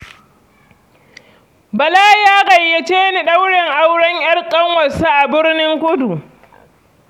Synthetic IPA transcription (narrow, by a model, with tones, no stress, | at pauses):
bɐ˨laː˦jaː˦ɣa˨jːɐ˨t͡ʃeː˦ni˨ɗɐ˦wɽɪ˨ŋʔa˦wɽɐ˦ŋʔj̰ɐ˦rkʼɐ˦ŋwɐ˨sa˦ʔa˨bɪ˦ɽnɪ˦ŋkʷʊ˦du˨